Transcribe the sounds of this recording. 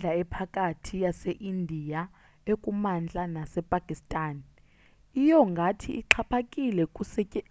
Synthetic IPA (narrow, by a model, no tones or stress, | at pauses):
d͡ɮʱaɛpʰakʼatʰijaseʔindʱija | ekʼumand͡ɮʱʼanasɛpʼakʼistʼaːn | ijɔŋɡʱatʰiʔiǃʰapʰakʼilɛkʼusɛɛ